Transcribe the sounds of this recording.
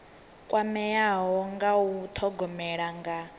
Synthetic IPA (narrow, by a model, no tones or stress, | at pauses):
kʼwamɛjaɦɔŋɡawut̪ʰɔɡɔmɛɺaŋɡa